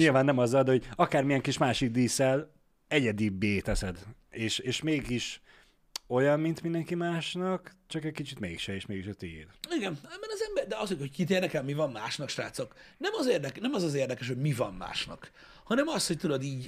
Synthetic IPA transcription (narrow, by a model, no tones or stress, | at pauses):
ɲilvaːnːɛmɒzːɒld̪ɛho̞ɟɒkaːrmijɛŋkiʃmaːʃiɡ̚d̪iːsɛl | ɛɟɛd̪ibeːt̪ɛsɛd̪eːʃeːʃmeːɡiʃ | o̞jɒmːint̪mind̪ɛŋkimaːʃnɒkt͡ʃɒkɛckit͡ʃit̪mḛːkʃɛeːʃmeːɡiʃɒt̪ḭːriɡɛmɛmːɛnɒzɛmbɛrd̪ɛɒsojhockit̪̬eːrnd̪ɛkɛlmivɒmːmaːʃnɒkʃra̰ːt̪soknɛmɒzeːrd̪ɛknɛmɒzɒzeːrd̪ɛkɛʃ̬ho̞ɟmivɒmma̰ːʃnɒ̰k | hɒnɛmɒshoc̚t̪ud̪od̪iːɟ